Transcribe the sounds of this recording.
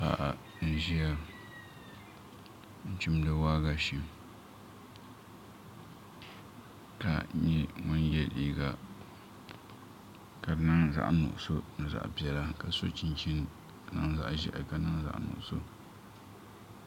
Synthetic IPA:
pa̰˨ʔa̰˨ | n̩˦ʒi˦a˦ | n̩˦t͡ʃʊ˦mdɨ˦waː˦ɡa˨ʃi˨ | ka˨ɲɛ˦mʊ˦njɛ˦lḭ˦ɡa˨ | ka˨dɨ˨˦na˦ŋza̰˨ʔnʊ̰˨ʔʊ˨so˦nɨ˨za̰˨ʔbi˦ɛ˨la˦ka˨so˦t͡ʃi˦nt͡ʃi˦n˨ | na˦ŋza̰˨ʔʒi˦ʔa˨ka˨˦na˦ŋza̰˨ʔnʊ̰˨ʔso˦

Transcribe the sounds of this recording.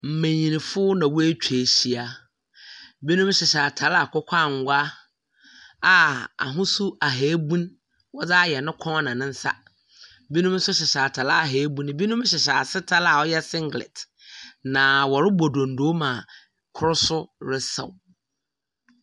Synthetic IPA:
m̩˨mẽ˨ɲĩ˨nĩ˨fʊ˦nã˨wu˦e˦t͡ɕᶣʰe˨ɕi˨a˦ | bi˦nũ˦m˦ɕɪ˨ɕa˨tʰa˨˦la˨kʰɔ˦kʷʰa˦˨ŋ̩˨ɡʷa˦ | a˨a̰˨ɦʊ̃˦su˦a˨ɦe˨˦bũ˦n | wɔ˦d͡zaː˦˨jɛ˨nʊ̃˦kʰɔ̃˦nã˨nɪ̃˦n̩˦sa̰˦ | bi˦nũ˦m˦sʊ˦ɕɪ˨ɕa˨tʰa˨la˦˨ɦeː˨˦bũ˦ñ˦bi˦nũ˦m˦ɕɪ˨ɕ̬a˨sɪ˦tʰa˦la˨ɔ˦jɛ˦sɪ̃˦ŋɡlɪ̰˨t | nã˨wɔ˨ɾɪ˦bo˨dõ˨n̩˨do˨˦mã˨ | kʰʊ˦ɾʊ˦sʊ˦ɾɪ˦sa̰˨

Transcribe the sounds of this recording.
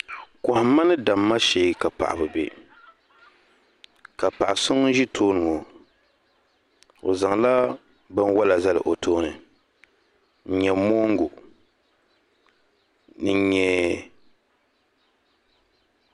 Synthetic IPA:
kɔ˨hʊ˨ma˦nɨ˦da˨mːa˦ʃeː˨˦ka˨pa̰˨ʔa̰˨bɨ˨bḛ˨ | ka˨pa˨ʔa˨sʊ˦ŋ˦ʒi˦tʰoː˦nu˨ɔ˨ | o˨za˨ŋla˦ | bɨ˦nwa˦la˨za˦lɨ̰˨ʔo˨tʰoː˦nɨ˨ | n̩˦ɲɛ˨mo˦ŋ˦ɡʊ˨ | nɨ˨˦ɲɛ˨

